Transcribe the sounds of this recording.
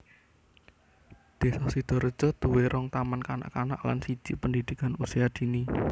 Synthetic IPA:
d̪̥e̤sɔsid̪̥ɔ̤ɾə̥d͡ʒ̥ɔ̤t̪uweɾɔŋt̪amankana̰ʔkana̰ʔla̰nsid̥d͡ʒ̥ipəndid̪̥i̤kanusiad̪̥i̤ni

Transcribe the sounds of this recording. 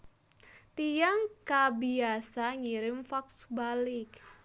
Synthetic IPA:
t̪ijaŋkabiasaŋiɾɪmfaksbalɪk

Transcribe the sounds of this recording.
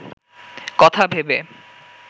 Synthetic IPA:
kɔt̪ʰabʱebe

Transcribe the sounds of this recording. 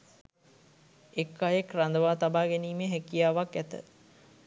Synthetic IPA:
ekːajekrand̪əʋaːt̪abaːɡeniːmeɦækijaːʋakːæt̪ə̰

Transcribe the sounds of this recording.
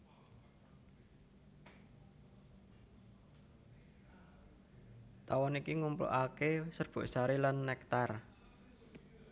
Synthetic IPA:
t̪awɔnikiŋumplo̰ʔakesərb̥ṳʔsaɾilanːɛkt̪ar

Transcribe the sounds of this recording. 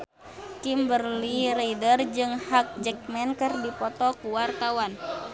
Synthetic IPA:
kimbərliɾɛidərd͡ʒɨŋhak̚d͡ʒɛk̚mɛnkɨrdipɔt̪ɔkuwart̪awan

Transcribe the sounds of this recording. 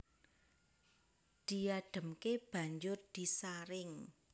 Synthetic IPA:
d̪̥i̤aɖ̥ə̤mkeb̥ä̤ɲd͡ʒʊrd̪̥i̤saɾɪŋ

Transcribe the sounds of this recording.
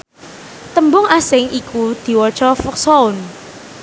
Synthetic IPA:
t̪əmbʊŋasɪŋʔikud̪̥i̤wɔ̥t͡ʃɔfʊksɔʊn

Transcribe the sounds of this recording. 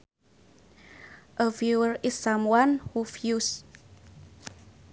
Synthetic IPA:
ʔəvjuəɹɪsːãmwanhufjus

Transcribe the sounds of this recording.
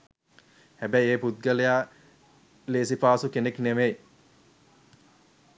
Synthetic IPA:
hæbæjeːput̪̚ɡəlejaː | leːsipaːsukenekneʋej

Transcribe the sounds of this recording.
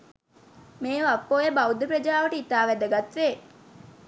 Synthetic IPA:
meːʋɐpːoːjebɐwd̪ɐpɾɐd͡ʒaːʋɐʈəit̪aːʋæd̪ɐɡɐt̪ʋeː

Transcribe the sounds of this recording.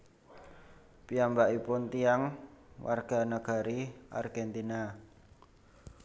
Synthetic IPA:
piambaʔipʊnt̪ijaŋwa̰rɡ̥a̤naɡ̥a̤ɾiʔa̰rɡ̥ɛnt̪ina

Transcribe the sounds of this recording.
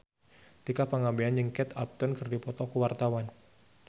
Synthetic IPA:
t̪ikapaŋabeand͡ʒəŋkɛt̪ap̚t̪ɔnkɨrdipɔt̪ɔkuwart̪awan

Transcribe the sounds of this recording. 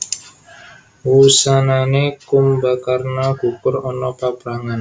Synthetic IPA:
wusananekumbakarnaɡ̥ṳkʊrɔnɔpapɾaŋan

